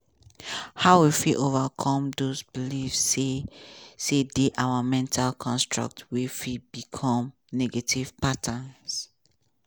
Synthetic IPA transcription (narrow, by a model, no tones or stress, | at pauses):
haʊwifilʔovakʰɔ̃mdozbilivse | sedeʔawamɛ̃ntʰalkʰɔ̃nstɹa̰k̚twifibikʰɔ̃m | nɛɡetʰiv̥patʰãns